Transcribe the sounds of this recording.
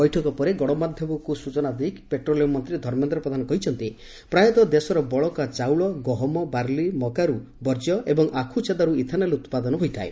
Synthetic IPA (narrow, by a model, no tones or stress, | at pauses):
bɔjʈʰɔkɔpɔɾeɡɔɽɔmad̪ʱjɔbɔkusut͡ʃɔnad̪ikpeʈɾolijɔmɔnt̪ɾid̪ʱɔɾment̪ɾɔpɾɔd̪ʱanɔkɔɦit͡ʃʰɔnt̪i | pɾajɔt̪ɔd̪esɔɾɔbɔɭɔkat͡ʃawɭɔɡɔɦɔmɔbaɾlimɔkaɾu | bɔɾd͡ʒɔʔebɔŋʔakʰut͡ʃʰed̪aɾuit̪ʰanelut̪pad̪ɔnɔɦojt̪ʰaḛ